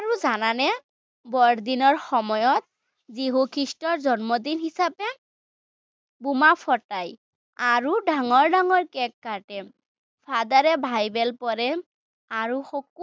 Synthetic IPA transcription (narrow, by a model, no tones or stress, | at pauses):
aɹuzananɛ | bɔɹd̪inɔɹxɔmɔjɔt̪̚ | ziɦukʰɹistɔɹzɔnmɔd̪inhisapɛ | bumapʰɔtaj | aɹuɖaŋɔɹdaŋɔɹkɛkːaɹʈɛ | fʰad̪aɹɛbʱajbɛlpɔɹɛ | aɹuxɔk̚